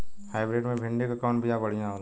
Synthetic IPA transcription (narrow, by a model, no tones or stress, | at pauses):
haːɪbɾeːɖmẽbʱɪ̃ɳɖekakɔːnbʱijabɐɽ̤ijãɦol